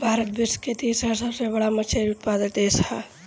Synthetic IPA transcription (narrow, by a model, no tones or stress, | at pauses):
bʱaːɾət̪̚bɪsket̪iːsɾasəbsebəɽamət͡ʃʰeʊt̪̚paːd̪ət̪eːsʰaː